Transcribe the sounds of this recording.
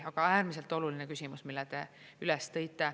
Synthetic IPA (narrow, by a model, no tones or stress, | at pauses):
ɑɡ̥ɑæːrmise̞lt̪ˑo̞lulinekysʲimusmilːɛt̪e̞ | ylɛst̪ɤ̞jt̪ːˑe